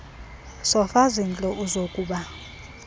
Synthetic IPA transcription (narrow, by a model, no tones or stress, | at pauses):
sɔfazint͡ɬʼɔʔuzokʼuːɓa